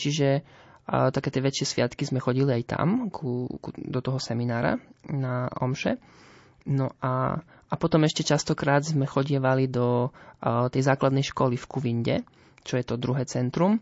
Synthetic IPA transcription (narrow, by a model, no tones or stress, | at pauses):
t͡ʃiʒɛ | t̪akɛːt̪ɪɛʋɛt͡ʃɪɛsʋɪat̪kizmɛxɔɟiliajt̪a̰mkʰukud̪ɔt̪ɔɦɔsɛminaːɾa̰naɔ̰mʃɛ | nɔʔa̰ | apɔt̪ɔmɛʃcɛt͡ʃast̪ɔkɾaːd̪zmɛxɔɟɪɛʋalid̪ɔ | t̪ɛjzaːklad̪nɛjʃkɔlifkuʋiɲɟɛ̰ | t͡ʃɔjɛt̪ɔd̪ɾuɦɛːt͡sɛnt̪ɾum